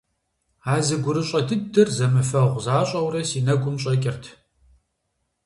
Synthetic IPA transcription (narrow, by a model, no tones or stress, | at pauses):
aːzɨɡʷʊɾɨɕʷʼɐtʰɨdɨrzɐmɨfɐʁʷzaːɕʼɐwrɐsiːnɐɡʷʼʊmɕʼɐkʲʼɪrtʰ